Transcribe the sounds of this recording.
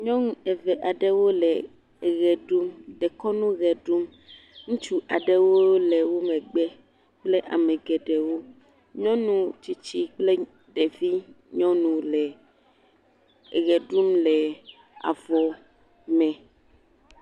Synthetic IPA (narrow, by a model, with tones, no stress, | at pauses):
ɲɔ̃˦ŋũ˦ɛ˨vɛ˨ʔa˨ɖɛ˦wo˦lɛ˨ | ɣɛ˨ɖu˦mɖɛ˨kɔ˦nũ˦ɣɛ˨ɖu˦m | ŋũ˦t͡ʃu˦a˨ɖɛ˦wo˦lɛ˨wo˦mɛ̃˨ɡ͡bɛ˦ | k͡ple˦ʔa̰˨mɛ̃˨ɡɛ˨ɖɛ˨wo˦ | ɲɔ̃˦nũ˨t͡ʃi˦t͡ʃi˦k͡ple˦ | ɖɛ˨vi˦ | ɲɔ̃˦nũ˨lɛ˨ | ɣɛ˨ɖu˦mlɛ˨ | a̰˨vɔ˨ | mɛ̃˨